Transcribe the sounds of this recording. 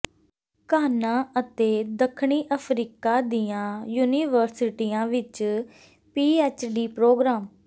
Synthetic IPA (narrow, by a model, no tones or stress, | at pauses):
kaːnãːʔət̪eːd̪əkʰɳiːʔəpʰɾiːkaːd̪iːãːjuːniːʋəɾsɪʈiːãːʋɪt͡ʃ | piːɛːt͡ʃɖiːpɾoːɡɾaːm